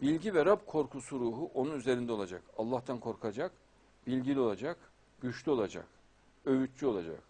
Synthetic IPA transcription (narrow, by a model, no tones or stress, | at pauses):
bilʲɟivɛɾabkʰo̞ɾkʰusuɾuːɦuʔo̞nunyze̞ɾind̪ɛolˠad͡ʒakalˠːaht̪ʰankʰo̞ɾkʰad͡ʒak | b̥ilʲɟilʲio̞lˠad͡ʒak | ɟ̥yt͡ʃlʲyo̞lˠad͡ʒa̰k | ø̞vyt̪t͡ʃyo̞lˠad͡ʒa̰k̚